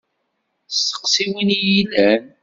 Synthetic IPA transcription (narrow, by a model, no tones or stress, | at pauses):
stə̥qsiwinjilæn